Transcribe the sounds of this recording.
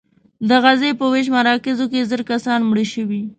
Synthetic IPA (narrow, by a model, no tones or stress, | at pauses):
d̪əɣazepəweʃ̬maɾɑkɪzokezəɾkasɑnmɽəʃəwi